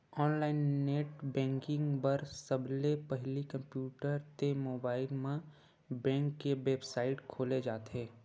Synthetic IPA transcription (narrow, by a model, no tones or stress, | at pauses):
ɔːnlaːɪnːeːʈbɛ̃ːŋkɪ̃ŋɡbəɾsəblepəɦlikə̃mpjuːʈəɾt̪emoːbaːɪlmẽ | bɛ̃ːŋkːeʋeːbsaːɪʈkʰoːled͡ʒaːt̪ɦeː